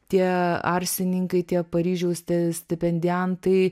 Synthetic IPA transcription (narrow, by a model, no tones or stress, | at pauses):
t̪ʲiɛɐ̰ɾʲsʲɪnʲɪŋkɐɪt̪ʲiɛpɐɾʲiːʒʲɛʊsʲt̪ʲɛsʲt̪ʲɛpʲɛnʲd̪ʲɛnt̪ɐɪ